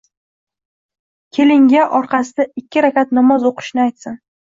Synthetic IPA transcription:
kʲʰe̞lɪŋɡʲaʔɒɾqʰɑsɪd̪aɪkʲːɪɾakʲat̪nɒmɒzoqʰɨ̥ʃnɪajt̪sɪn

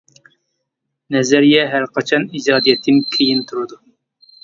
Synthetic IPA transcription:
nɛzɛɾjɛɦæɾqʰɑt͡ʃʰɑnid͡ʒɑːd̪ijɛt̪ʰːɪmkʲʰejint̪ʰuɾɨd̪u

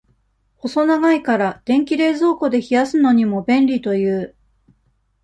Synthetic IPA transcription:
ho̞so̞naɡaikaɾad̪̥ẽ̞ŋkʲiɾe̞ːzo̞ːko̞d̪e̞çijasɨno̞ɲ̟imo̞bẽ̞nɾʲit̪o̞jɯː

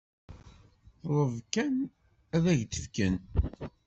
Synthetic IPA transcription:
ɾˤəvkæn | æðæʝt̪ə̥fkən

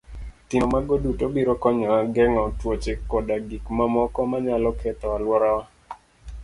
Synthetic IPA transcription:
t̪ɪnomaɡodutobiɾokɔɲɔaɡɛŋɔtwot͡ʃɪkɔdaɡikmamɔkɔmaɲalɔkʰɛt̪ɔalwɔɾaa

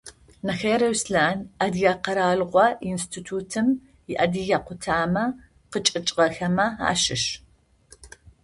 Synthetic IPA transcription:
nɐxɐjɾɐwsɬaːnʔɐdijaqɐɾaːɮʁʷɔinstʰitʰuːtʰɨm | jɪʔɐdiɣaːqʷʊtʰaːmɐ | qət͡ʃʼɨt͡ʃʼʁɐxɐmɐa̰ːʃɪʃ

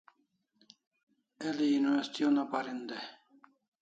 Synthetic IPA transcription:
eliːnwest̪ijonapaɾind̪e

